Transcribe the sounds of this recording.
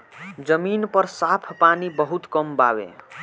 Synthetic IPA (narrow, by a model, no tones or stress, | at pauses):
d͡zʌminpʌɾsapʰpanibʌɦut̪kʌmba̰wḛ